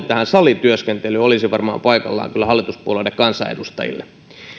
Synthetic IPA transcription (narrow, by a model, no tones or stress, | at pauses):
t̪ːˑæhænsɑlːˑit̪yøskent̪elːyolisiʋɑrmɑ̰ːmpɑikɑlːɑ̰ːŋkylːæhɑlːit̪uspuolelːˑekɑnsɑḛdust̪ɑ̰jḭlːe